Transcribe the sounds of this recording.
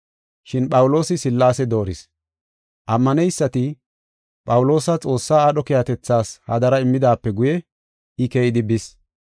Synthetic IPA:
ʃɪnpʼɐwʊlo̞ːsɪsɪlːaːsɛd̪o̞ːɾɪs | ʔɐmːɐnɛjsːɐt̪ɪ | pʼɐwʊlo̞ːsɐt͡sʼo̞ːsːaːɗɔkɛjɐt̪ɛt͡sːaːshɐ̰d̪ɐɾɐɪmːɪd̪aːpːɛɡʊjɛ | ɪkeːʔɪd̪ɪbɪs

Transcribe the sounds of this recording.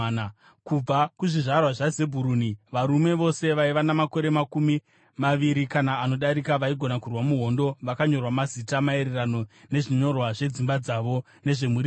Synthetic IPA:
kub͡vakuʐiʐarwaʐaze̞bʱuɾuniʋaɾume̞ʋo̞se̞ʋaiʋanamako̞ɾe̞makumi | maʋiɾikanaːno̞ɗaɾikaʋaiɡʱo̞nakurwamuɦo̞ndo̞ʋakaɲo̞rwamazitamae̞ɾerano̞ne̞ʐiɲo̞rwaʐe̞d͡zimbad͡zaʋo̞ | ne̞ʐe̞muri

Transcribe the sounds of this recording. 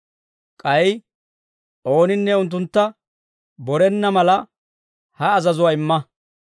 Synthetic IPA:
kʼɐj | ʔo̞ːnɪnːɛʊnt̪̬ːʊnt̪ːɐ | bɔɾɛnːɐmɐlɐ | hɐːzɐzʊwɐɪmːɐ

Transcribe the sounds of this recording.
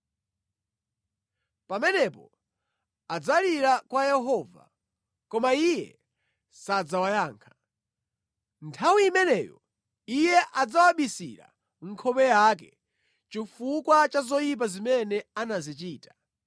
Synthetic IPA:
pamɛnɛpɔ̰ | ad͡zaliɾakwajɛɦɔva̰ | kɔmaijɛ̰ | sad͡zawajaːŋkʰḁ | ntʰawiːmɛnɛ̰jɔ̰ | ijɛʔad͡zawaɓisḭɾa̰ | ŋ̩kʰɔpɛjakɛ | t͡ʃifukwat͡ʃazɔjip̬azimɛnɛanazit͡ʃiːtḁ

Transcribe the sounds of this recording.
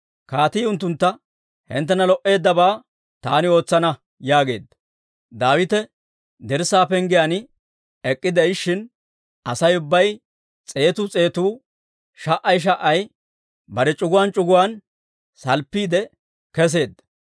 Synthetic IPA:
kaːt̪iːʊnt̪ːʊnt̪ːɐ | hɛ̰nt̪ːɛnɐlɔʔe̞ːd̪ːɐbaː | t̪aːnɪo̞ːt͡sːɐnɐ | jaːɡe̞̰ːd̪ːɐ | d̪aːwɪt̪ɛ | d̪ɛɾsaːpɛŋɡɪjanɪ | ɛkʼːɪd̪ɛjʃːɪn | ɐsɐjʊbːɐj | t͡sʼe̞ːt̪uːt͡sʼe̞ːt̪uː | ʃɐʔːɐjʃ̬ɐʔɐj | bɐɾɛt͡ʃʼʊɡʊwant͡ʃʼʊɡʊwan | sɐlpːiːd̪ɛ | kɛs̬e̞ːd̪ːɐ̥

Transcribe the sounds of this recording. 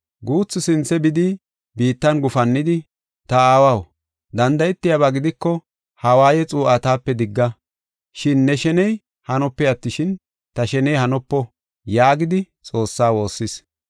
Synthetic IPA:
ɡuːt͡sːɪsɪnt͡sːɛbɪd̪ɪ | biːt̪ːɐnɡʊfɐnːɪd̪ɪ | t̪ɐaːwɐw | d̪ɐnd̪ɐjɛt̪ːɪjaβaɡɪd̪ɪkːɔ | hɐwaːjɛt͡sʼuːʔɐt̪aːpːɛd̪ɪɡːɐ | ʃɪnːɛʃɛnɛj | hɐnɔpːɛjɐt̪ːɪʃɪn | t̪ɐʃɛnɛjhɐnɔpːɔ | jaːɡɪd̪ɪ | t͡sʼo̞ːsːaːwo̞ːsːɪs

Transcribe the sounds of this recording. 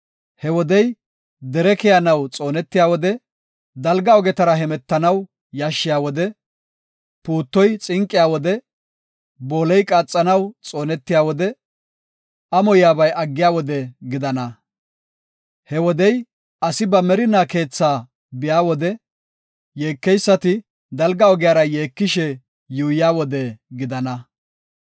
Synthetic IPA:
hɛwɔd̪ɛj | d̪ɛɾɛkɛjɐnɐwt͡sʼo̞ːnɛt̪ːɪjaːwɔd̪ɛ | d̪ɐlɡɐɔɡɛt̪ɐɾɐɦɛmɛt̪ːɐnɐw | jaːʃːɪjaːwɔd̪ɛ | puːt̪ːɔjt͡sʼɪŋkʼːɪjaːwɔd̪ɛ | bo̞ːlɛjkʼaːt͡sʼːɐnɐwt͡sʼo̞ːnɛt̪ːɪjaːwɔd̪ɛ | ʔɐmɔjaːbɐjʔɐɡːɪjaːwɔd̪ɛɡɪd̪ɐnɐ | hɛwɔd̪ɛj | ʔɐsɪbɐmɛɾɪnaːke̞ːt͡sːaː | bɪjaːwɔd̪ɛ | je̞ːkːɛjsːɐt̪ɪ | d̪ɐlɡɐɔɡɪjaːɾɐjeːkːɪʃɛ | juːjjaːwɔd̪ɛɡɪd̪ɐnɐ

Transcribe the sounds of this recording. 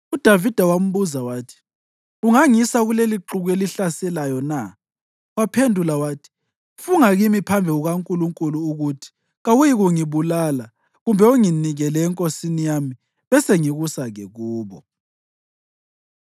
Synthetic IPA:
ud̥ʱavid̥ʱawam̩βuzawaːtʰi̥ | uŋaŋisaɣuleliǁuɣeliɬasɛlajɔna | wapʰendʱulawaːtʰi̥ | fuŋaɣimipʰambʱɛuɣaŋkʼuluŋkʼuluːɣutʰi̥ | ɣawujiɣuŋiβulala | ɣumbʱɛuŋiniɣɛlɛːŋkʼosinijami | βɛseŋiɣusaɣɛɣuːβɔ

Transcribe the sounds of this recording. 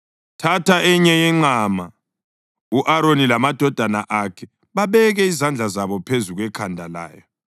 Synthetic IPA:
tʰatʰaʔɛɲɛjɛŋ͡ǃaːma | uʔaɾonilamad̥ʱɔd̥ʱana̰ʔakʰɛ | βaβɛɣɛizand͡ɮʱazaβɔpʰezuɣwɛkʰandʱala̰ːjɔ

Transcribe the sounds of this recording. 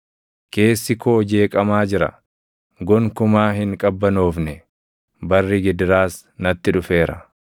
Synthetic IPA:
ke̞ːsːɪkʰoːd͡ʒe̞ːkʼɐmaːd͡ʒɪɾɐ̰ | ɡɔŋkʊmaːɦɪŋkʼɐbːɐnoːfnɛ | bɐrːiɡɪd̪ɪɾaːs | nɐt̪ːɪᶑʊfe̞ːɾɐ̰

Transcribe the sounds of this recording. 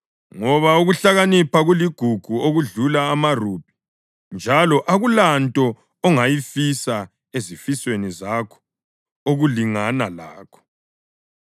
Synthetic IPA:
ŋɔβauɣuɬaɣanipʰaɣuliɡ̥ʱuɡ̥ʱuoɣuɮulaːmarub̥̚ʱi̥ | nd͡ʒʱalɔʔaɣulantʼɔ | ɔŋajifisa | ezifiswenizakʰɔ̥ | oɣuliŋanalaːkʰɔ̥

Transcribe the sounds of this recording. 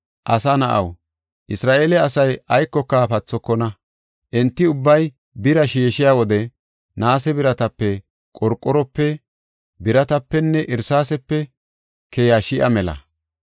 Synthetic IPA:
ʔɐsɐnɐʔɐ̰w | ʔɪsɾaːʔeːlɛɐsɐjɐjkːɔkːaːpɐt͡sːɔkːɔnɐ | ʔɛnt̪ːɪʊbːɐj | bɪɾɐʃiːʃɪjaːwɔd̪ɛ | naːsɛbɪɾɐt̪ɐpːɛ | kʼɔɾkʼːɔɾɔpːɛ | bɪɾɐt̪ɐpːɛnːɛʔɪɾsaːsɛpːɛ | kʰɛjaːʃɪʔɐ̰mɛlɐ̰

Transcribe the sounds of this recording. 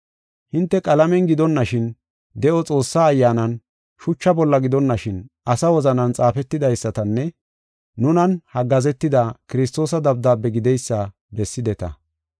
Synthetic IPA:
hɪnt̪ːɛkʼɐlɐmɛnɡɪd̪ɔnːɐʃɪn | d̪ɛʔɔt͡sʼo̞ːsːaːjːaːnɐn | ʃʊt͡ʃːɐbɔlːɐɡɪd̪ɔnːɐʃɪnʔɐsɐwɔzɐnɐnt͡sʼaːfɛt̪ːɪd̪ɐjsːɐt̪ɐnːɛ | nʊnɐnhɐɡɐzɛt̪ːɪd̪akɪɾɪs̬t̪ːo̞ːsɐd̪ɐb̚d̪aːbːɛɡɪd̪ɛjsːɐ | bɛsːɪd̪ɛt̪ɐ̰

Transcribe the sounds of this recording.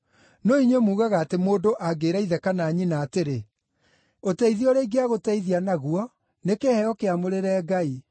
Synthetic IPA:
noiɲwemuːɣaɣaːtemoːndoʔaɡeːɾaiðɛkanaɲinaːteɾe | otɛiðiɔɾeiɡeaɣotɛiðianaɣuɔ | nekehɛɔkeamoɾeɾɛːɡai

